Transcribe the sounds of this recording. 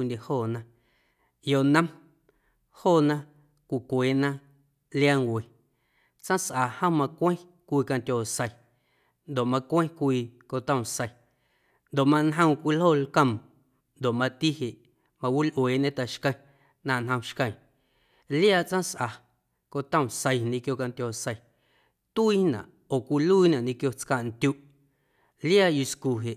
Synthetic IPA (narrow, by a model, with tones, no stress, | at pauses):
ndʲe˨hoː˦˨nã˧ | jo˧ʔnə̃˦m | hoː˦˨nã˦ | kʷi˨kʷeː˨nã˦ | ljaː˦ŋwʷe˨ | t͡sã˦sʔa˨hə̃˦mã˧kʷẽ˦ | kʷiː˧kã˧ntʲoː˨sə˧˨ | nd̪o˨ʔmã˧kʷẽ˦kʷiː˧ko˧t̪ə̃˧˨sə˧j | nd̪o˨ʔmã˧nɦə̃˧wkʷi˧lhoː˦˨lkə̃˧˨m | nd̪o˨ʔmã˧t̪i˦ɦe˨ʔ | mã˧wi˦lʔweː˨ʔɲẽ˦t̪a˨ʃkə̃˧j̃ | nã˧˨nɦə̃˧w̃ʃkə̃˧j̃ | ljaː˦˨t͡sʔã˦sʔa˨ | ko˧t̪ə̃˦˧˨sə˧jɲĩ˧kjo˧ka˧nt̪ʲoː˨sə˧j | t̪u˦iː˦nã̰˨ʔ | oː˨kʷi˧lu˦i˦nã˨ɲĩ˧kjo˧t͡ska˧ʔnt̪ʲu˧˦ʔ | ljaː˦˨ju˧sku˨ɦe˨ʔ